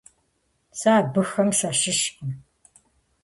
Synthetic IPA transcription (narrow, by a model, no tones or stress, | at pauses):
saːbɨxɐmʃʷaːʃɪʃkɨn